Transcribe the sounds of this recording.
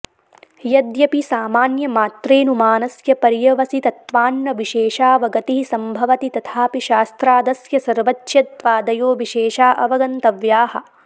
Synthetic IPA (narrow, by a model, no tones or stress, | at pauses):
jɐd̪jɐpisaːmaːnjɐmaːt̪ɾeːnumaːnɐsjɐpɐɾjɐʋɐsit̪ɐt̪ʋaːnːɐʋiʃeːʃaːʋɐɡɐt̪iɦisɐmbʱɐʋɐt̪it̪ɐt̪ʰaːpiʃaːst̪ɾaːd̪ɐsjɐsɐɾʋɐt͡ʃʃjɐt̪ʋaːd̪ɐjoːʋiʃeːʃaːʔɐʋɐɡɐnt̪ɐʋjaːhɐ̆